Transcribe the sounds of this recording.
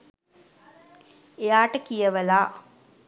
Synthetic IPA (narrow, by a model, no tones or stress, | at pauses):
ejaːʈəkijəʋəlaː